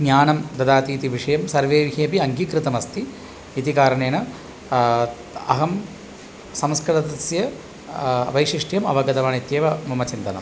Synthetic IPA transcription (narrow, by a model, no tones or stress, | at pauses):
ɡɲaːnɐmd̪ɐd̪aːt̪iːt̪iʋiʂɐjɐmsɐɾʋeːʋɦeːpiɐŋɡikɾɨt̪ɐmɐst̪iː | t̪ikaːɾɐɳeːnɐ | ɐ̰ɦɐm | sɐmskɾɐɾɐt̪ɐsjɐ | ʋɐjʂiʂʈjɐmɐ̰ʋɐɡɐd̪ɐʋaːnit̪jeːʋɐmɐmɐt͡ʃint̪ɐnɐ̰m